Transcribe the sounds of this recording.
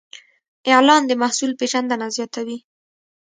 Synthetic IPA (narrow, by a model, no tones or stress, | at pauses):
ɪʕlɑnd̪əmahsulpeʒand̪anazjɑt̪awi